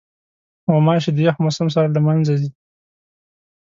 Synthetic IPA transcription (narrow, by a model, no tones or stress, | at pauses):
wamɑʃed̪əjaxmʊsams̬aɾlamanzazi